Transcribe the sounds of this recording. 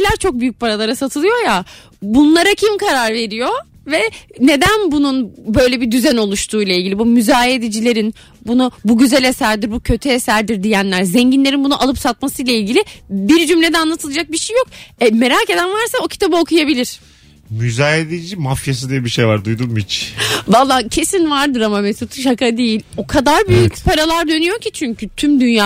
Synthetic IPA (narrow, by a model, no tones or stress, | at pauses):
lʲæɾt͡ʃʰo̞k̚byjyc̚paɾalˠaɾasat̪ʰɯlˠɯjo̞ja | bunlˠaɾacʰimkʰaɾaɾve̞ɾijo̞ | vɛne̞d̪ænbununbø̞jlʲebid̪yzæno̞lˠuʃt̪ʰuːjlˠailʲɟilʲibumyzaːjed̪ed͡ʒilʲe̞ɾin | bunubuɟyzælʲe̞sæɾd̪iɾbucʰø̞t̪ʰyesæɾd̪iɾd̪ijænlʲæɾzɛɲɟinʲeɾinbunuʔalˠɯpsat̪masɯjlʲˠailʲɟilʲɪbiɾd͡ʒymlʲe̞d̪ɛanlˠat̪ɯlˠad͡ʒak̚biʃejːo̞kɛme̞ɾaːce̞d̪ænvaɾsaocʰi̥t̪ʰabɯo̞kʰujabilʲiɾ̥ | myzaːjed̪ed͡ʒimafjas̬ɯd̪ijɛbiʃejvaɾd̪ujd̪unmit͡ʃvalˠːaːcʰe̞sinvaɾd̪ɯɾamamesut̪ʰuʃ̬akad̪ejilʲo̞kʰad̪aɾbyjycpʰaɾalˠaɾd̪ø̞nyjo̞cʰit͡ʃʰyɲcʰyt̪ʰymd̪ynjaː